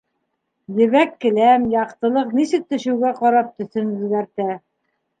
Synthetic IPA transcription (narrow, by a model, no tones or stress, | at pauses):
jɘ̆βækːɘ̆læmjɑqt̪ɤ̆lˠɤqnisɘ̆k̚t̪ɵ̆ʃɘ̆wɡæqɑɾɑp̚t̪ɵ̆θɵnɵ̆ðɡæɾt̪æ